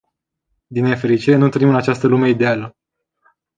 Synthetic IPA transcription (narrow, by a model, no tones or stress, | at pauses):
d̪inːefe̞ɾit͡ʃiɾe̞nunt̪ɨnimɨnat͡ʃast̪əlume̞id̪e̞alə